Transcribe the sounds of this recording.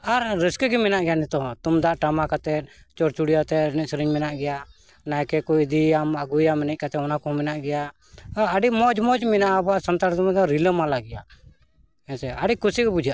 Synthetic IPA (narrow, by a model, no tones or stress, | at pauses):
aɾːəskəɡɛmɛnaʔɡɛjanit̪ɔɦɔ̃t̪umd̪aʔʈamakat̪ɛ | t͡ʃɔɾt͡ʃuɽijat̪ɛnɛsɾiɲmɛnaʔɡɛja | najkɛkɔid̪iamaɡujamnɛʔ̚kat̪ɛɔnakɔmɛnaʔɡɛja | aɖimɔd͡ʒmɔd͡ʒminaʔabaʔsɔnt̪aɾt̪ɔmɛd̪ɔɾiləmalaɡɛja̰ʔ | ɛnsɛaɖikusikɛbud͡ʒʱijaʔ